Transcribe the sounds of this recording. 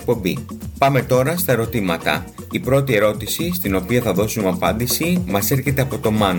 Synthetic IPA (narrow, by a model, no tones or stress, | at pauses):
k̚po̞mbipɐme̞t̪o̞ɾɐst̪ɐe̞ɾo̞t̪imɐt̪ɐ̰ | ipɾo̞t̪ie̞ɾo̞t̪isist̪ino̞piɐθɐðo̞sumɐpɐnd̪isimɐse̞ɾçe̞t̪e̞ɐpo̞t̪o̞mɐn